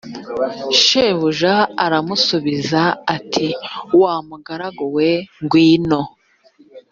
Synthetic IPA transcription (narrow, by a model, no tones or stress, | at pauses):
ʃeːβuʒaːɾamusuβizaatʰiwaːmuɡaɾaɡoweŋɡwiːno̞